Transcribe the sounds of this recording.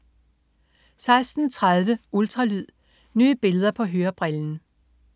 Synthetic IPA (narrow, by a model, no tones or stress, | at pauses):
sɑ̈ɪsd̥n̩t͡sʰʁaðˠʋəʔuld̥ʁɑ̈lyð̰ˠ | ny̰ːb̥e̝ləð̞ˠɐpʰɒ̽ɦøːɐb̥ʁɛln̩